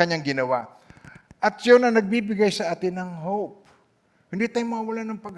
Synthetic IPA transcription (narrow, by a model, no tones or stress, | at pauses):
ɐɲaŋɡɪnɐwa | ʔɐt̪̚sjonɐŋnɐɡ̚bibɪɡajsɐʔaːt̪ɪnɐŋɦowp̚ | hʊnd̪it̪ajmʊawɐlanɐŋpɐɡ